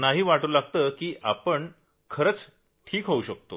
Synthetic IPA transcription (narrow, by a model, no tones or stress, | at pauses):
naɦiːʋaʈuːlaɡt̪əkiːʔapəɳ | kʰəɾət͡s | ʈʰiːkɦouɕək̚t̪o̰